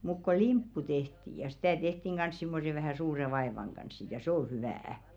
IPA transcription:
muk ko limpːu tehti jɑ sitæˑ tehtiŋ ɡ̊ɑns simːose ʋæhæˑ suːre ʋɑeʋɑŋ ɡ̊ɑns sit jɑ sĕ o hyʋææ

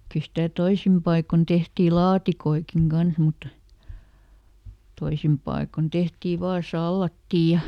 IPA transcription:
kyl̆ stæ toisim pɑikon tehtiː lɑːtikoikiŋ ɡ̊ɑns mutːɑ toisim pɑikon tehtiː ʋɑː sɑlːɑtːiː

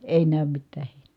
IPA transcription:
eˑi næˑym mitːæː he̥i̥n̥e̥

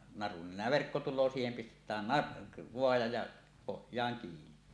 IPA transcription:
nɑrun nenˑæː ʋerkːo tulˑoː siːhem pistetˑæːn nɑr ʋoɑjɑ jɑ pohjˑɑːŋ kiːni

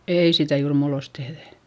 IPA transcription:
ei sitæ juːr muːlːost tehðæ

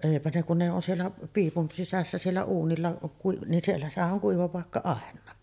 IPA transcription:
eˑipæ ne kun ne on sielːæ piːpun sisæsːæ sielːæ uːnilːɑ kui nin sielːæ sehæn ʔoŋ kuiʋɑ pɑˑekːɑ ɑˑenˑɑː

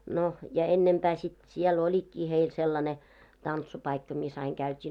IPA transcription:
no jɑ enːempæː sit siel olʲikːiː heil selːɑne tɑntsupɑikːɑ mis ɑiŋ kæytʲiː

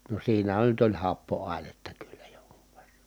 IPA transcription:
no siːnæhæn nyt olʲ hɑpːoɑˑi̯netːɑ kylːæ joŋku̥ʋ̥ ʋ̥e̥rːɑ

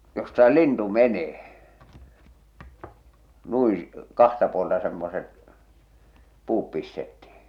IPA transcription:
jostɑ se lintu meneː nui kɑhtɑ puoltɑ semːoset puːp pistetːihi̥

